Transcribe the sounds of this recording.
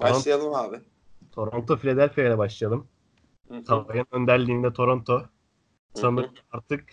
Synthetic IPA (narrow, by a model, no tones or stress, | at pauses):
toaɾonsjalˠɯmaːbɪ | t̪ʰo̞ɾont̪ʰo̞filʲed̪ælʲfijajlʲɛbaʃlˠɯjad̪ɯm | t̪ʰaajɯnø̞nd̪æɾlʲiːmnd̪ɛt̪ʰo̞ɾont̪ʰo | sanɯk̪ | aɾt̪ʰɯk